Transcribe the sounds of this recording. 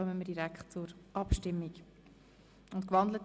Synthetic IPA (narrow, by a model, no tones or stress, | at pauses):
œməmədiɾækχtt͡sʊɾʔɑpʃtɪmːiɡ | ʊntkʋɑnd̪lət